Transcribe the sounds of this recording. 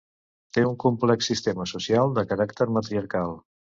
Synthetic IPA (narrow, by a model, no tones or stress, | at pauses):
t̪euŋkumplɛksːist̪eməsusialˠd̪əkəɾakt̪əɾmət̪ɾiəɾkalˠ